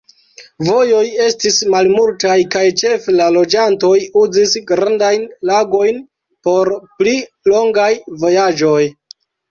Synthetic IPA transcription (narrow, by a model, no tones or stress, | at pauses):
vo̞jo̞je̞stismalmultajkajt͡ʃe̞felalo̞d͡ʒanto̞juzisɡɾandajnlaɡo̞jn | po̞ɾpli | lo̞ŋɡajvo̞jad͡ʒo̞j